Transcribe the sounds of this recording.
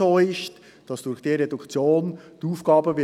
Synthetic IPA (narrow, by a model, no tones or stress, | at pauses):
oːɪʃt | d̥ɑsd̥ʊɾxd̥eːredukt͡sjoːnd̥uːfɡ̥ɑːbəvɪ